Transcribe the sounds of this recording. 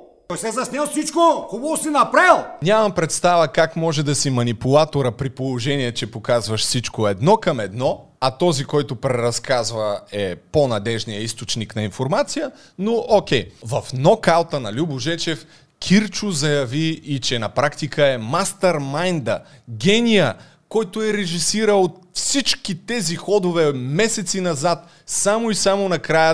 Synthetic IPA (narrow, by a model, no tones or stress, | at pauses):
t̪ɔjsɛzɐsnʲɛlˠfsit͡ʃkokobɔsinɐpɾɛlˠnʲamɐmpɾɛt̪st̪avəkakmɔʒɛd̪ɐsimɐnipʊlˠat̪oɾəpɾipolˠoʒɛniɛt͡ʃɛpokazvɐʃsit͡ʃkoɛd̪nɔkɐmɛd̪nɔ | ɐt̪ɔzikɔjt̪ʊpɾɛɾɐskazvəɛponɐd̪ɛʒnijəist̪ot͡ʃniknɐinfoɾmat̪sijə | nookʲɛjvɐfnɔkalˠt̪ənɐlʲubʊʒɛt͡ʃɛf | kʰʲiɾt͡ʃʊzɐjɐviːt͡ʃɛnɐpɾakt̪ikʰəɛmast̪ɐɾmajnd̪ɐɡʲɛnijə | kɔjt̪ʊɛɾɛʒisiɾəlˠot̪ | fsit͡ʃkit̪ɛzixɔd̪ovɛmɛsɛt̪sinɐzat̪ | samoisamonɐkɾajə